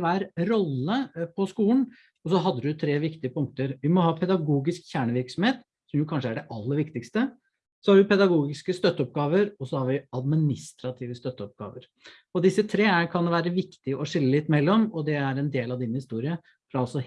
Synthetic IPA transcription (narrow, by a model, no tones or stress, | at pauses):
ʋæːɾɾɔlːəpʰɔskuːən | ɔs̬ɔɦɑd̪ːəd̪t̪ʰɾeːʋɪkt̪ɪəpʊŋkt̪əɾʋɪmɔhɑːpʰɛd̪ɑɡuːɡɪskçæːɳəʋɪɾksɔmheːt̪ | sɔmjʊkʰɑnʂəæɖɛʔɑlːəɾʋɪkt̪ɪkst̪ə | sɔhɑɾʋɪpɛd̪ɑɡuːɡɪskəst̪œt̪ːəɔp̚ɡɑːʋəɾɔsɔhɑɾʋɪɑd̪mɪnɪst̪ɾɑt̪ʰiːʋəst̪œt̪ːəɔp̚ɡɑ̰ːʋəɾ | ɔd̪ɪsːət̪ʰɾeːækʰɑnʋæːɾəʋɪkt̪ɪɔʂɪlːəlɪt̪ːmɛlːɔmɔd̪ɛæɾɛnd̪eːlɑʋd̪ɪːnhɪst̪uːɾɪə | fɾɑɑlsɔ